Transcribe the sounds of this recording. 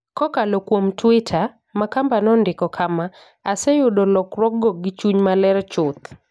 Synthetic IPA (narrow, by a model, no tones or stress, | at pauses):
kɔkalɔkwomtwɪtʰa | makambanɔndɪkɔkʰama | asɛjʊdɔlɔkɾwɔɡɔɡɪt͡ʃuɲmalɛɾt͡ʃʊt̪